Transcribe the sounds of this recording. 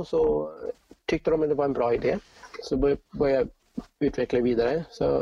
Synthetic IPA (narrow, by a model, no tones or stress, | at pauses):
ɔsɔ | t̪ʰʏk̚t̪əɾɔmɛd̪ɛʋɑɾɛnbɾɑːɪd̪eː | sɔbbœɾəja | ʉːt̪ʰʋɛkləʋiːd̪aɾəsɔ̰